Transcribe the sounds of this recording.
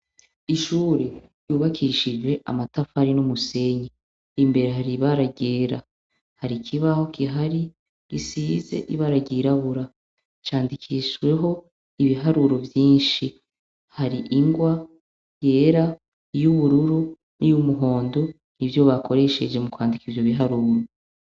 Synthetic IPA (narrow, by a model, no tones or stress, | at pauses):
iʃuːɾe | juːβakʰiʃid͡ʒwe̞ʔa̰matafaɾinumuse̞ɲe | imbe̞ɾe̞ɦaɾiβaɾaɟe̞ːɾa | haɾikʰiβaho̞kʰiɦaɾi | ɡisiːze̞̰ʔiβaɾaɟiɾaβuɾa | t͡ʃaːndikʰiʃɡwe̞ɦo̞ | iβiɦaɾuɾo̞vjiːnʃi | haɾiʔiŋɡwa | je̞ːɾa | juβuɾuɾu | nijumuɦo̞ːndo | nivjo̞βakʰo̞ɾe̞ʃe̞d͡ʒe̞mukwaːndikivjoβiɦaɾuːɾo